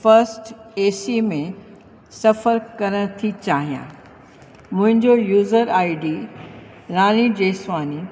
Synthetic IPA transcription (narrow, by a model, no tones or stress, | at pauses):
fɐɾsʈeːsimẽ | sɐfəɾkɐɾəɽ̃t̪ʰit͡ɕaːɦijã̰ | mʊ̃ɦɪ̃ɲd͡ʑojuːzəɾaːɪɖiː | ɾaːnid͡ʑeːsʋaːni